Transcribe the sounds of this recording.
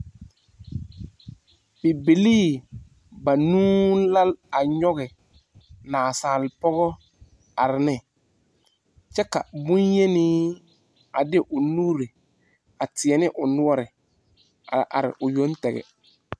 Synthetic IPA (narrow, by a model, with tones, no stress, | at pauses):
bi˨bi˨liː˦˨ | ba˨nũː˦la˦la˨ɲɔ˦ɣɪ˨ | naː˨saː˨lɪ˨pɔ˦ɣɔ˦ | a˨ɾɪ˨nɪ˦ | t͡ʃɛ˦ka̰˨bʊ̃˦ɲje˦niː˦ | a˨dɪ˦ʔʊ˨nuː˦ɾi˨ | a˨tɪ˨ɛ˨nɪ˦ʔʊ˨nʊ˦ɔ˦ɾɪ˨ | a̰˨ʔa̰˨ɾɪ̰˨ʔʊ˨jo˦ntɛ˨ɣɛ̰˨